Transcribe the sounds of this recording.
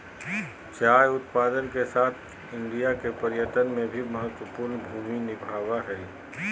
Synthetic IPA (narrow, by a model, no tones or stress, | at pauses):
t͡ʃaːjʊt̪paːd̪ənkesaːt̪ʰ | ɪ̃ɳɖijakepəɾjət̪ənmẽbʱiməɦət̪wəpʊɾnbʱuːminɪbʱaːʋaɦɛ